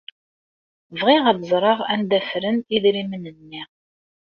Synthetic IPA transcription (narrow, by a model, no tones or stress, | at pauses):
vʁɪʁəðzˤɾˤɑʁænd̪æfɾəntiðɾimənənːiʁ